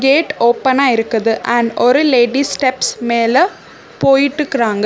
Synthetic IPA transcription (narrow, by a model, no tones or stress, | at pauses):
ɡeːʈːo̞ːpːɐnaːjiɾukːɐðɨʔɐɳɖoɾuleːɖisʈepsmeːle | po̞ːjiʈːɨkraːŋɡɨ